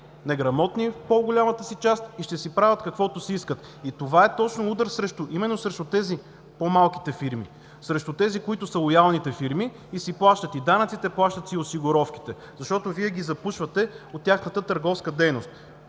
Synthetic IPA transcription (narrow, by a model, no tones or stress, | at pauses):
nɛɡɾɐmɔt̪nipoɡolʲamət̪əsit͡ʃast̪iʃt̪ɛsipɾavʲɐt̪kɐkvɔt̪ʊsiiskət̪ | it̪ovaɛt̪ɔt͡ʃnoud̪əɾsɾɛʃt̪ʊʔimɛnːosɾɛʃt̪ʊt̪ɛzi | pomalˠki̥t̪ɛfiɾmḭ | sɾɛʃt̪ʊt̪ɛzikoit̪ʊsəlˠojalˠnit̪ɛfiɾmiː | siplˠaʃt̪ət̪id̪anəɐt̪sit̪ɛplˠaʃt̪ət̪iosiɡoɾɔfki̥t̪ɛ | zɐʃt̪ɔt̪oviɛɡʲizɐpuʃvət̪ɛot̪ːʲaxnət̪ət̪əɾɡɔfskəd̪ɛjnost̪̚